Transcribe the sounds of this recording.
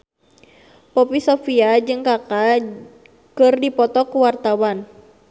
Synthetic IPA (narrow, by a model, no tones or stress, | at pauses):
pɔpisɔfiad͡ʒɨŋkaka | kɨrdipɔt̪ɔkuwart̪awan